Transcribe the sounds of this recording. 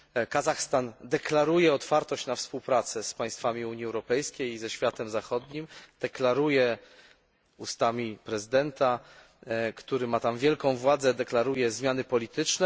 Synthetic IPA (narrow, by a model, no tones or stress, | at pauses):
kazaxst̪and̪ɛklaɾujɛɔt̪faɾt̪ɔɕt͡ɕnafspuwpɾat̪sɛspaj̃st̪famʲiuɲjiɛwɾɔpɛjskʲejzɛɕfʲjat̪ɛmzaxɔd̪ɲimd̪̥ɛklaɾujɛ | ust̪amʲipɾɛzɘd̪ɛnt̪a | kt̪uɾɘmat̪amvʲjɛlkɔ̃w̃vwad̪zɛd̪ɛklaɾujɛzmʲjanɘpɔlʲit̪ɘt͡ʂnɛ